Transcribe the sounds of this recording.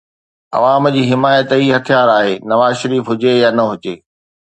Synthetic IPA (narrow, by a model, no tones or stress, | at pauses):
ɐ̰ʋaːmd͡ʑiːɦɪmaːjət̪ɦiɦɐt̪ʰijaːɾaːɦeːnɐʋaːzʃɐɾiːfɦʊd͡ʑejaːnɐɦʊd͡ʑeː